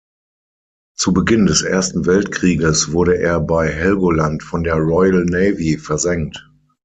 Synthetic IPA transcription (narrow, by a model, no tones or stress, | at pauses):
t͡subəɡɪndɛsʔeːɐstn̩vɛltkʁ̥iːɡəsv̥ʊɐɾəʔeːɐbaɪɦɛlɡolantfɔndeːɐʁɔɪəlnɛɪvifɛɐzɛŋt